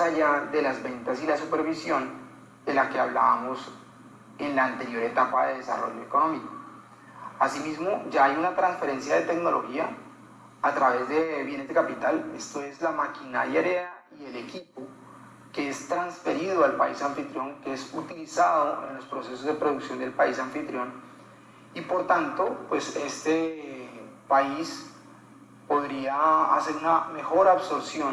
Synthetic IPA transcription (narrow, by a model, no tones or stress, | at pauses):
aʝaðe̞lazbe̞nt̪asilasupe̞ɾβisjo̞n | d̪̥e̞lake̞aβlaβamo̞s | e̞nlaːnt̪e̞ɾjo̞ɾe̞t̪apaðe̞ðe̞sa̰ro̞̰ʝo̞e̞ko̞no̞miko | asimizmo̞d͡ʒaːjunat̪ɾansfe̞ɾe̞nsjaðe̞t̪eɡno̞lʔo̞̰xiaː | t̪ɾaβe̞zd̪e̞βje̞nezd̪e̞kapit̪ale̞̰st̪o̞e̞zlamakina̰ɾjaeɾea | ie̞le̞kipo | keest̪ɾansfe̞ɾiðoalpaisaɱfit̪ɾjo̞ŋkeesut̪ilisaðo̞ʔe̞̰nlo̞spɾo̞se̞so̞zd̪e̞pɾo̞ðuksjo̞nd̪e̞lpaisaɱfit̪ɾjo̞n | ipo̞ɾt̪ant̪o̞pwe̞se̞st̪e | pais | po̞ðɾiaa̰se̞ɾuname̞xo̞ɾaβso̞ɾsjo̞n